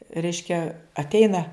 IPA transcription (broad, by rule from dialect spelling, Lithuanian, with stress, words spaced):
ˈrʲɛɪʃʲkʲɛ ɐtʲˈɛɪnɐ